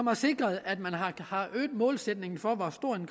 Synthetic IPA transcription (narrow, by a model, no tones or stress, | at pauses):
ɒ̽mɐse̝ɡ̥ʁɐð̩ˠæd̥mænɦɑhɑ̈ø̰ːd̥̩ˠmɔ̰̽ːlsed̥ne̝ŋn̩fɒ̽ʋɒsd̥o̝ɐ̰e̝nɡ̥